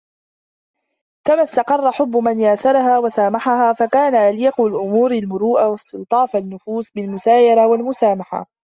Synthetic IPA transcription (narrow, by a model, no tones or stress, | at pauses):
kamast̪ɑqɑrˤːɑħʊbːʊmanjaːsɑɾˤɑɦaːwasaːmaħahaːfakaːnaʔaljɪqʊlʔʊmuːɾalmʊɾuːʔawast̪ɪlt̪ˤɑːfanːʊfuːsbɪlmʊsaːjɑɾˤawalmʊsaːmaħa̰